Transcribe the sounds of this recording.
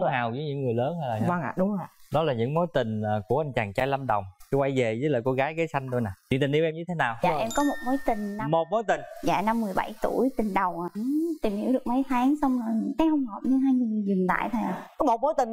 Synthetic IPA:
haː˨˩wzə˨˦jɲɨ̰˧˥ŋŋɨ˨˩əjləː˨˦nha˧jlaː˨waː˧ŋʔa̰ː˧˨ɗʊ˨˦˧a˧˨˩ɗɔ˨˦laː˨˩ɲɨ̰˧˥ŋmo˨˦jt̪ï˨˩ŋ̟ː˨˩ku˧˩əʔa˧jŋ̟t͡ɕaː˨˩ŋt͡ɕaː˧jla˧mɗə˨˩wŋ͡mkwa˧˩jve˨˩zəː˨˦jlə̰ː˨˩jko˧ɣaː˨˦jɣe˨˦jsa˧jŋ̟t̪o˧jna˨˩t͡ɕḭ˧˨nt̪i˨˩nʔi˧wʔɛ˧mɲɨ˧e˨˦naː˨˩waː˧˨˩ʔɛ˧mkɔ˨˦mo˨˩t̚mo˨˦jt̪ï˨˩ŋ̟na˧mo˨˩t̚mo˨˦jt̪ï˨˩ŋ̟za̰ː˧˨na˧mːɨ˨˩əjɓa̰˧˩jt̪u˧˩əjt̪ï˨˩ŋ̟ɗə˨˩wʔaː˨˩ʔɨ˨˧˩t̪i˨˩mhi˧˩˥wɗɨ˨˩ə˩k̚mə˨˦jt̪ʰaː˨˦ŋsa˧wŋ͡mkaː˨˦jhə˧wŋ͡mhɔ˨˩p̚ɲɨ˧ɦaː˧jɲɨ˧˩ŋɨ˨˩zʊ˨˩nt̪a̰ː˧˨jt̪ʰaː˧˩jʔa̰ː˨˩kɔ˨˦mo˨˩t̚mo˨˦jt̪ï˨˩ŋ

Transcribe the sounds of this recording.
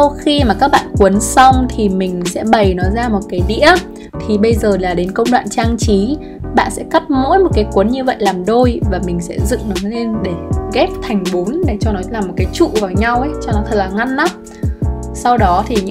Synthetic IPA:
wxi˧maː˨˩kaː˦˥k̚ɓa̰ː˧˨nkwu˨˦ənsa˧wŋ͡mt̪ʰi˨˩mï˨˩ŋ̟sɛ̰˧˥ɓə˨˩jnɔ˨˦jzaː˧mo˨˩t̚kaː˨˦jɗḭ˧˥ə | t̪ʰi˨˩ɓə˧jzəː˨˩laː˨˩ɗe˨˦nkə˧wŋ͡mɗwa̰ː˧˨nt͡ɕaː˧ŋt͡ɕi˨˦ | ɓa̰ː˧˨nsɛ̰˧˥ka˦˥p̚mo̰˧˥jmo˨˩t̚kaː˨˦jkwu˨˦nɲɨ˧və̰˧˨jlaː˨˩mɗo˧jvaː˨˩mï˨˩ŋ̟sɛ̰˧˥zɨ̰˧˨ŋnɔ˨˦le˧nɗe˧˩ɣɛ˦˥p̚t̪ʰa˨˩jŋ̟ɓu˨˦nɗe˧˩t͡ɕɔ˧nɔ˨˦laː˨˩mːo˨˩t̚kaː˨˦jt͡ɕṵ˧˨vaː˨˩wɲa˧wʔə˨˦jt͡ɕɔ˧nɔ˨˦t̪ʰə˨˩laː˨˩ŋa˧nːa˦ | sa˧wɗɔ˨˦t̪ʰi˨˩ɲ˧

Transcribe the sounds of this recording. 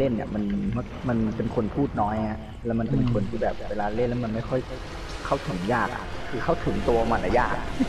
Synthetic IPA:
le˥˩nːḭ˨˧˩ma˧nm˥˩ma˧npe˧nkʰo˧npʰuː˥˩t̪̚nɔː˦˥jŋa˦˧˥ | lɛː˦˥wma˧npe˧nkʰo˧nt̪ʰiː˥˩bɛː˨˩p̚weː˧laː˧le˥˩nlɛ˦˥wma˧nma˥˩jkʰɔ˥˩j | kʰa˥˩wt̪ʰɯ˨˩˦ŋjaː˥˩k̚a̰˨˩kʰːɯː˧kʰa˥˩wt̪ʰɯ˩˦ŋt̪u˧maː˧nʔa˧˩jaː˥˩k̚

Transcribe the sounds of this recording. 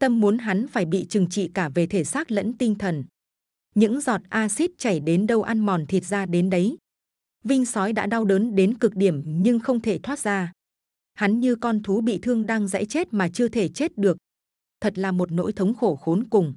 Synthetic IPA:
t̪ə˧mːu˨˦ənɦa˨˦nfaː˧˩jɓḭ˧˨t͡ɕɨ˨˩ŋt͡ɕḭ˧˨kaː˧˩ve˨˩t̪ʰe˧˩saː˦˥k̚lə̰˧˥nt̪ï˧ŋ̟t̪ʰə˨˩n | ɲɨ̰˧˥ŋzɔ˨˩t̚ʔaː˧si˦˥t̚t͡ɕa˧˩jɗe˨˦nɗə˧wʔa˧nmɔ˨˩nt̪ʰi˨˩ət̚zaː˧ɗe˨˦nɗə˨˦j | vï˧ŋ̟sɔ˨˦jɗa̰ː˧˥ɗa˧wɗəː˨˦nɗe˨˦nkɨ˨˩k̚ɗi˧˩əmɲɨ˧ŋxə˧wŋ͡mt̪ʰe˧˩t̪ʰwaː˦˥t̚zaː˧ | ha˨˦nɲɨ˧kɔ˧nt̪ʰu˨˦ɓḭ˧˨t̪ʰɨ˧əŋɗaː˧ŋza̰˧˥jt͡ɕe˦˥t̚maː˨˩t͡ɕɨ˧ət̪ʰe˧˩t͡ɕe˦˥t̚ɗɨ˨˩ək̚ | t̪ʰə˨˩t̚laː˨˩mo˨˩t̚no̰˧˥jt̪ʰə˨˦wŋ͡mxo˧˩xo˨˦nkʊ˨˩ŋ͡m

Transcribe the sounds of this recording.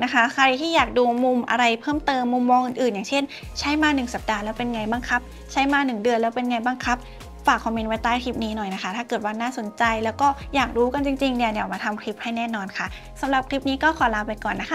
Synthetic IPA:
na˦˥kʰa˦˥kʰa˧jt̪ʰiː˥˩jaː˨˩k̚duː˧mu˧mʔa̰˧ɾa˧jpʰɤː˥˩mt̪ɤː˧mːu˧mːɔː˧ŋʔɯː˨˩nʔɯː˨˩njaː˨˩ŋt͡ɕʰe˥˩n | t͡ɕʰa˦˥jmaː˧nɯ˨˩ŋsa˨˩p̚daː˧lɛː˦˥wpe˧nŋa˧jba˧ŋkʰa˦˥p̚ | t͡ɕʰa˦˥jmaː˧nɯ˨˩ŋdɯ˧ənlɛː˦˥wpe˧nŋa˧jba˧ŋkʰa˦˥p̚ | faː˨˩k̚ʰːɔ˧miː˧nwa˦˥jt̪aː˥˩jkʰli˦˥˩p̚niː˦˥nɔ˨˩jna˦˥kʰa˦˥t̪ʰaː˥˩kɤː˨˩t̪̚waː˧naː˥˩so˨˩˦nt͡ɕa˧jlɛː˦˥wkɔː˥˩jaː˨˩k̚duː˧ka˧nt͡ɕi˧ŋt͡ɕi˧ŋni˧˩dɛ˨˩˨wmaː˧t̪ʰa˧mkʰi˦˥p̚ha˥˩jnɛː˥˩nɔː˧nkʰa˥˩ | sa˩˦mɾa˨˩p̚kʰɾi˦˥p̚niː˦˥kɔː˥˩kʰɔː˨˩˦laː˦˧˥wpa˧jkɔː˨˩nːa˦˥kʰa˥˩

